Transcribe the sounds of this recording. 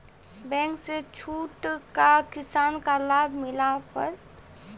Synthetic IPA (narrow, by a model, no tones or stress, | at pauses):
bɛ̃ːŋkset͡ʃʰuːʈkakɪsaːnkalaːbʱmɪlapə̰ɾ